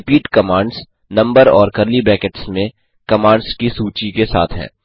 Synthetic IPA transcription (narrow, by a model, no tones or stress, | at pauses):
ɪpiːʈkɐmãːɳɖz | nɐ̃mbəɾɔːɾkɐɾlibɛːkeʈsmẽ | kɐmaːɳɖzkisuːt͡ʃikesa̰ːt̪ʰɦɛ̰̃ː